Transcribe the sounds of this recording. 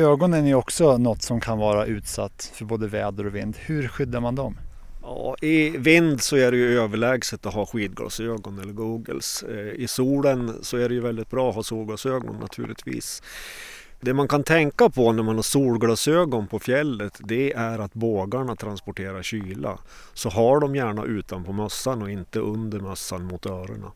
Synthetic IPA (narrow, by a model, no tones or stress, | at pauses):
øːɡɔnənæjɔksɔnɔt̪ːsɔmkʰanvɑːɾaʔʉ̟ːt̪sa̰t̪ːfœɾboːd̪əvɛːd̪əɾɔvɪnd̪hɵ̟ɾɧʏd̪ːaɾmand̪ɔm | jɑ̰ːɪvɪnd̪sɔæɖɛjɵøːvəɭɛːɡsət̪ːɔɦɑːɧiːd̪̚ɡɑ̰ːsøːɡɔnɛlːəɾɡuːɡə̰lsɪsuːlənsɔæɖɛjɵvɛld̪ɪt̪̚bɾɑːɔɦɑsuːɭɡɑːsøːɡɔ̰nːʔa̰t̪ʰʉ̟ːɭɪ̰t̪vḭːs | d̪ɛmankʰant̪ʰɛŋkapʰɔnæɾmanhaʂuːlɡɽɑːsøːɡɔnpʰɔfjɛlːət̪d̪ɛæɾat̪boːɡaɳat̪ʰɾanspɔʈʰeːɾaɕyːla̰ | sɔɦaɖɔmjæːɳa̰ʔʉ̟ːt̪anpʰɔmœsːanɔɪnt̪əʔɵnd̪əɾmœsːanmʊt̪œːɾə̰ɳa̰